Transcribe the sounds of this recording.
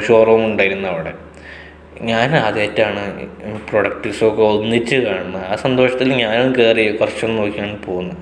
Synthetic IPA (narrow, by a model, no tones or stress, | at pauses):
ʂoːrɐʋɐmuɳɖaːjiɾunːɐɐʋiɽe̞̰ | ɲaːnaːd̪etːaːɳɨproɽɐk̚ʈiʋsokːeonːitːɨkaːɳɐmːɐaːsɐnd̪o̞ːʂɐt̪ːilɲaːnukeːrikɐrʂɐnno̞ːkːijaːɳpo̞ːɣunːɐ